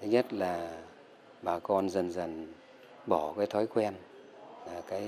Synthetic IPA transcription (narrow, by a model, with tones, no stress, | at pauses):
t̪ʰi˨˦ɲə˦˥t̚laː˨˩ | ɓaː˨˩kɔ˧nzə˨˩nzə˨˩n | ɓɔ˧˩kaː˨˦jt̪ʰɔ˨˦jkwɛ˧n | laː˨˩kaː˨˦j